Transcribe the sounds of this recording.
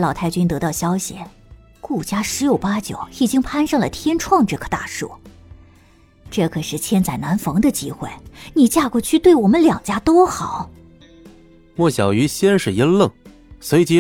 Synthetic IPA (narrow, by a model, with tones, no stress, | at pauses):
lɑ˨˩ʊt̪ʰɪt͡ɕy˥nt̪ɤ˧˥t̪ɑ˥˩ʊɕjɑ˥ʊɕḭ˨˩ | ku˥˩t͡ɕja˥ʂɻ̩˧˥jo˨˩ʊpa˥t͡ɕjo̰˨˩˦ʊi˨˩t͡ɕi˥ŋpʰa˥nʂɤ˥˩ŋlə̰˩t̪ʰjɛ˥nʈ͡ʂʰwɑ˥˧ŋʈ͡ʂɤ˥˩ɡə̥˧t̪a̰˥˧ʂṵ˥˩ | ʈ͡ʂɤ˥˩kʰɤ˨˩ʂɻ̩˥˩t͡ɕʰjɛ˥nt͡sa˥˩ɪna˧˥nfɤ˧˥ŋd̪ə˧t͡ɕi˥xwe˥˩ɪni˨˩t͡ɕja˥˩kwɔ˥˩t͡ɕʰy˥˧t̪we˥˩ɪwɔ˨˩mə˦nljɑ˨˩ŋt͡ɕja˥t̪o˥ʊxɑ˨˩˦ʊ | wɔ˥˩ɕjɑ˨˩ʊy˧˥ɕjɛ˥nʂɻ̩˨˩ji˧˥nlɤ˥˩ŋ | swe˧˥ɪt͡ɕi˧˥